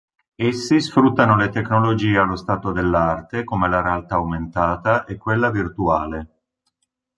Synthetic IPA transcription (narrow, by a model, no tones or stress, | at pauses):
esːisfɾut̪ːanolet̪eknolod͡ʒiːealːost̪aːt̪od̪elːart̪ekomelaɾealt̪aːwment̪aːt̪aʔekːwelːavirt̪uaːle